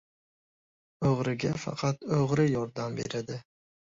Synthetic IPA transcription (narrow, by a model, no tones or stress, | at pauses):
oʁɾɪɡʲafɑ̰qʰɑt̪oʁɾɪjɒɾd̪ambḛɾɪd̪ɪ